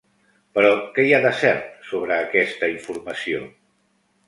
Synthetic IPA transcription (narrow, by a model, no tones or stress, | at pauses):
pəɾɔkɛjaðəsɛɾt̪soβɾəːkɛst̪əiɱfuɾməsio̰